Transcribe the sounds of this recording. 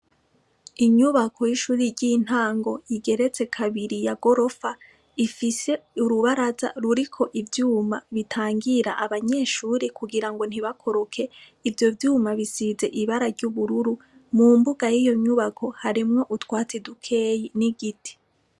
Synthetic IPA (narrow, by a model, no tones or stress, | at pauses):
iɲuβakʰo̞jiʃuːɾiɾɟin̥haːŋɡo̞iɡe̞ɾe̞t͡se̞kʰaβiɾijaɡo̞ɾo̞fa | ifise̞uɾuβaɾaza̰ɾuɾikʰo̞ʔivjuːmaβitʰaːŋɡiɾa̰ʔaβaɲe̞ːʃuːɾikuɡiɾaŋɡo̞n̥hiβakʰo̞ɾokʰe̞ | ivjo̞vjuːmaβisize̞ʔiβaɾaɾɟuβuɾuɾu | muːmbuɡajijo̞ɲuβakʰo̞haɾimŋo̞ʔutwaːt͡sedukʰe̞ːjiniɡitʰi̥